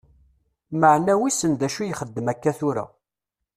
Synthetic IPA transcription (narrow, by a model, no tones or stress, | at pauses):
məʕnæwisənd̪æʃujχəd̪ːəmækːæθʊɾæ̰